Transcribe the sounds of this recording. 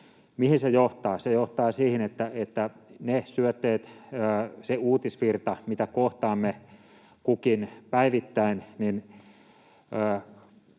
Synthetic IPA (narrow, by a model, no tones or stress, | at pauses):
mihinsejoht̪ɑːsejoht̪ɑːsiːhinet̪ːæet̪ːænesyøt̪ːeːt̪əːseuːt̪isʋirt̪ɑmit̪ækoht̪ɑːmːe | kukinpæiʋit̪ːæinnin | əː